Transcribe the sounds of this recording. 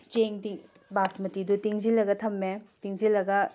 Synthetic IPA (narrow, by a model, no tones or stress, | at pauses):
t͡ʃeŋdiŋ | basmɐtidutiŋzilɐɡɐtʰɐmːetiŋzilːɐɡɐ